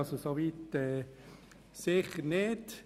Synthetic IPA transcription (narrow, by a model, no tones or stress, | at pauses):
sosoʋiːt̪ɛː | sɪχəɾnet